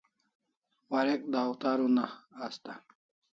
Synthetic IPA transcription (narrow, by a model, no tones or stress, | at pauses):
waɾek̚d̪aːwt̪aɾunaːst̪a